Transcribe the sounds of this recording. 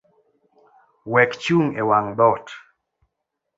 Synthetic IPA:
wɛkt͡ʃuŋewaŋbɔt

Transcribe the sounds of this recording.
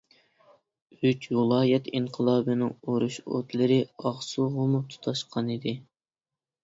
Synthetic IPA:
yt͡ʃwulˠɑːjɛt̪iŋqʰəlˠɑːbɨnɪŋoɾuʃo̰t̪lˠɨɾɪɑʁsuʁʊmut̪ʰu̥t̪ʰɑʃqʰɑnɨd̪ɪ

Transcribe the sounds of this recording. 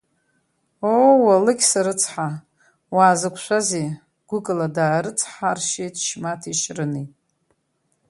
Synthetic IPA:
owalɨkʲsaɾɨt͡sʰħa | waːzɨkʷʰʃʷaze | ɡ̥ʷʊkʼɨladaːɾɨt͡sʰħarʃejtʰʃmatʰiʃrɨnitʼ

